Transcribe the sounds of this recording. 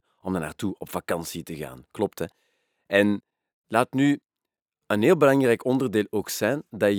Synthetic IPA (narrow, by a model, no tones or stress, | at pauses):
ɔmdəna̰ːrtuɔpfakɑnsitəɣa̰ːnklɔptɛ | ʔɛn | laːtny | ənɦeːlˠbəlɑŋrɛjkɔndərdeːlˠoːksɛndɑ